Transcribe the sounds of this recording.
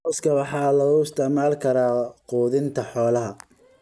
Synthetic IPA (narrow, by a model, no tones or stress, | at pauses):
ɔːskʰɐwɑħɑːlɐɣʊɪst̪ʰɛʕmaːlkʰɐɾaːquːðɪnt̪ʰɐħɔːlɐɦɐ